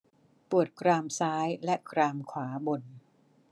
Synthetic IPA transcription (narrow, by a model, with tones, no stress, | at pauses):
pu˨˩ət̪̚kɾaː˧msaː˦˥jlɛ˦˥kɾaː˧mkʰwaː˩˦bo˧n